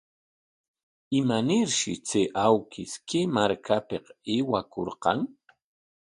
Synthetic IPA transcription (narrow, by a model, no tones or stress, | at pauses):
ɪmanɪɾʃɪ̰t͡seʔawkʰɪskʰemaɾkʰapeqewakoɾqɑŋ